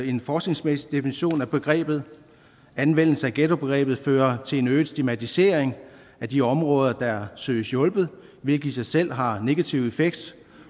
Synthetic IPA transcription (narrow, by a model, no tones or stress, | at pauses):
e̝nfɒːsɡ̥ne̝ŋsmesid̥e̝finiɕo̝̰ːnæb̥e̝ɡ̥ʁɛ̰ːb̥ð̞̩ˠ | ænʋen̰l̩səæɡ̥et͡so̝b̥e̝ɡ̥ʁɛ̰ːb̥ð̞̩ˠføːɐt͡sʰe̝e̝nøːð̩ˠsd̥imæt͡sʰise̝ɐeŋ | æd̥iɒ̽mʁɔ̽ːð̞ˠɐd̥ɑsø̰ɪsjɔ̽lb̥ð̞̩ˠ | ʋe̝lɡ̥ə̥isɑ̈ɪsel̰ɦɑ̈ne̝ɡ̥æt͡sʰiʊe̝feɡ̥d̥